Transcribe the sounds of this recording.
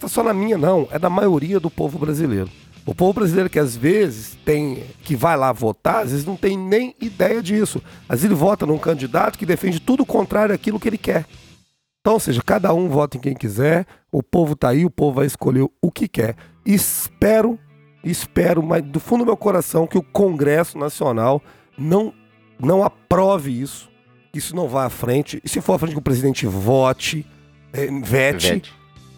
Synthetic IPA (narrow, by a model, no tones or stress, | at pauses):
st̪asɔnɐmĩɲɐnɐ̃w̃ɛ̰d̪ɐmajoɾiɐd̪ʊpovʊbɾazilḛjɾʊ | ʊ̰povʊbɾazilejɾʊkɪazvezɪst̪ẽj̃kɪvajlavot̪aɾazvezɪznɐ̃w̃t̪ẽj̃nẽj̃id̪ɛjɐd͡ʒisʊmɐzelɪvɔt̪ɐnũkɐ̃nd͡ʒid̪at̪ʊ̥kɪd̪efẽnd͡ʒɪt̪ud̪ʊːkõnt̪ɾaɾjʊakilʊkɪelɪkɛɾ | ẽt̪ɐ̃w̃oseʒɐkad̪ɐũvɔt̪ɐẽkẽj̃kizɛɾ | ʊ̰povʊt̪aiʊpovʊvajɪskoʎeɾʊkɪkɛɾ | ɪspɛɾʊ | ɪspɛɾʊmad̪ʊfũd̪ʊmewkoɾasɐ̃w̃kɪʊkõɡɾɛsʊnasionaw | nɐ̃w̃ | nɐ̃w̃apɾɔvɪisʊ̥ | kɪisʊnɐ̃w̃vajafɾẽnt͡ʃɪsɪfoɾafɾẽt͡ʃɪkɪʊpɾezid̪ẽt͡ʃɪvɔt͡ʃɪ | ɛvɛt͡ʃɛt͡ʃ